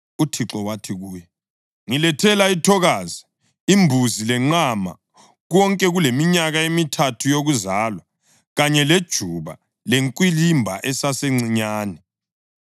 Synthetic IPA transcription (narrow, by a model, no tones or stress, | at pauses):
utʰiǁɔwatʰiɣuːjɛ | ŋilɛtʰɛlaitʰɔɣaːzi | imbʱuzilɛŋ͡ǃama̰ | ɣɔŋkʼɛɣulemiɲaɣaemitʰatʰujoɣuzaːlwa | ɣaɲɛled̥ʒ̥ʱuβa̰ | leŋkʼwilimbʱa̰ʔɛsaseŋ͡ǀiɲaːnɛ